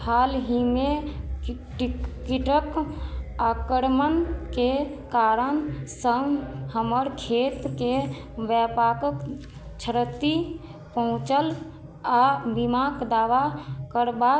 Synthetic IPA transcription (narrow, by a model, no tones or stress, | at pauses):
hʰalɦime | ʈikiʈək | akəɾmənkekaɾənsəŋhəməɾkʰet̪ke | bjɛpakək | t͡ʃʰəɾət̪ːi | pəɦũt͡ʃəl | abimakd̪aʋakəɾba